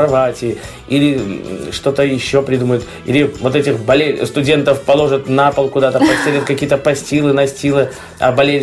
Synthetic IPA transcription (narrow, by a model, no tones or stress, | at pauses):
ɐvatʲɪː | ilʲɪʂt̪o̞t̪əjɪɕːo̞pɾʲɪd̪uməjʊt̪ | ilʲɪvo̞t̪ɛtʲɪxbɐlʲest̪ʊdʲe̞nt̪əfpɐlˠo̞ʐət̪napəlˠkʊd̪at̪əpɐsʲt̪ʲeɾʲət̪kɐkʲijət̪əpɐsʲtʲilˠɨnɐsʲtʲilˠɨ | ɐ̰bɐlʲelʲ